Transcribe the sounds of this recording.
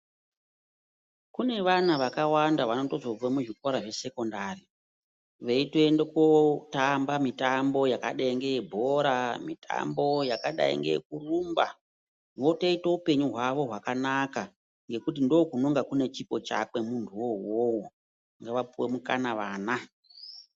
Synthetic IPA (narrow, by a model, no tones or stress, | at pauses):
kune̞ʋanaʋakawandaʋano̞to̞zo̞b͡vamuʐikoɾaʐe̞se̞ko̞ndari | ʋeitendekotambamitambo̞jaka̰ɗeiŋɡeebʱo̞ɾamitʰa̰mbo̞jakaɗa̰ḭŋɡḛk̚urumba̰ | ʋo̞teitoupe̞ɲuɦwaʋo̞ɦwakanaka | ŋɡe̞kutindo̞kunoŋɡakune̞t͡ʃipo̞t͡ʃa̰kwe̞muntʰuwowowo | ŋɡeʋap͡fuwemuka̰naʋaːna